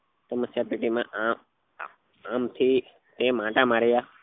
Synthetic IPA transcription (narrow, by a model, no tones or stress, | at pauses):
t̪oməsjaːpeːʈimãːʔ | aːmt̪ʰiː | t̪ẽːmãːʈãːmaːɾejaː